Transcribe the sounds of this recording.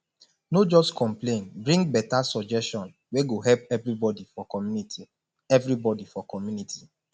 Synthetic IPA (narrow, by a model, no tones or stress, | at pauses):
nod͡ʒɔstkʰɔ̃mplẽnbɹĩŋɡ̚bɛtasɔd͡ʒɛstɔ̃n | weɡoɦɛlpɛvɹibɔdifɔkɔmjunitʰi | ɛvɾibɔdifɔkɔmjunitʰi̥